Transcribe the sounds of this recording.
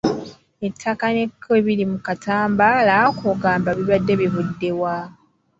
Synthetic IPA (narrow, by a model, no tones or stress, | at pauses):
etʰːakane̞kʰːeβilimukataːmbalakoɡaːmbaβiβadːe̞βiβudːe̞wa